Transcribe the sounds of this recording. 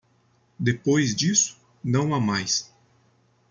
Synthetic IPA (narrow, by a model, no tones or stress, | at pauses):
d̪epojzd͡ʒisʊ̥ | nɐ̃w̃amajs